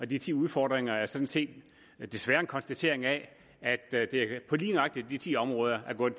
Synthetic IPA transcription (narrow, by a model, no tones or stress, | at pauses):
ɒ̽d̥it͡sʰḭːuð̞ˠfɒːd̥ʁeŋɐæɐsɒ̽n̥nse̝̰ːd̥ | d̥e̝sʋæːɐe̝nkʰɒ̽nsd̥æt͡sʰe̝ɐe̝ŋɛ | æd̥d̥e̝pʰɒ̽liːnʁɑ̈ɡ̥̚d̥id̥it͡sʰḭːɒ̽mʁɔ̽ːð̞ˠɐʔæɐɡ̥ɔ̽ːð̩